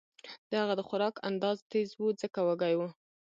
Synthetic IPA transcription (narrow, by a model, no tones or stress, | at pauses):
d̪̥əhaɣad̪əxʊɾɑka̰nd̪ɑzt̪ezwud͡zəkawaɡajwu